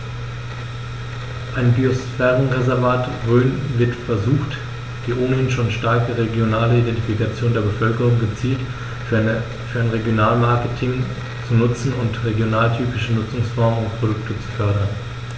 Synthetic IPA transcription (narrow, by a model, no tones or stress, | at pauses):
ʔaɪnbiosfɛːʁənʁezɛɐvaːtʁøːnvɪɐtfɛɐzuːxt | d̥iːʔoːnəhɪnʃoːnʃtaɐkəʁeɡjonaːləidɛntifikat͡sjoːndeːɐbəfœlkəʁ̞ʊŋɡət͡siːlt | fyːɐaɪnʁeɡjonaːlmaɐkətʰɪŋ | t͡sunʊt͡sn̩ʊntʁeɡjonaːltʰyːpɪʃənʊt͡sʊŋsfɔɐməʊnpʁ̥odʊktət͡su̥fœɐɾɐn